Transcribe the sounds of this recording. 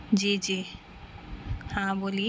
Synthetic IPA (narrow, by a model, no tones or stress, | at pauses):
d͡ʒiːd͡ʒiː | hãboːli